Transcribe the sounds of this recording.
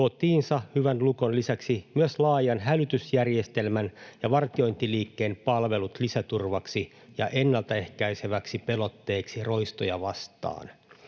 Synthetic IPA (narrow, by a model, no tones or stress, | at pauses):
ot̪iːnsɑhyʋænlukonlisæksimyøslɑːjɑnɦælyt̪ysjærje̞st̪e̞lmænjɑʋɑrt̪io̞jnt̪iliːkːeːnpɑlʋe̞lut̪lisæt̪urʋɑksi | jɑ̰ʔe̞nːɑlt̪æe̞hkæjse̞ʋæksipe̞lot̪ːe̞ːksiro̞ist̪ojɑʋɑst̪ɑ̰ːn